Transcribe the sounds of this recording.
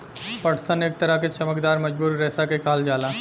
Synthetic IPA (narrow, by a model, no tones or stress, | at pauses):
pəʈʰsəneːk̚t̪əɾəket͡ʃəməkd̪aːɾməd͡ʒbuːɾːɛːsakekaːld͡ʒaːla